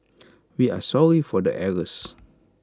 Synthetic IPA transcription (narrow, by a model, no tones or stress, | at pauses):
wia̰sɔɹifɔdə̰ʔɛɹəs